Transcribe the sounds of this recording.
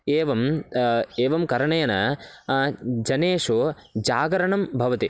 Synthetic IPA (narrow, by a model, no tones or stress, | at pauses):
eːʋɐm | eːʋɐmkɐɾɐɳɐjɐnɐ | d͡ʒɐneːʂu | d͡ʒaːɡɐɾɐɳɐmbʱɐʋɐt̪i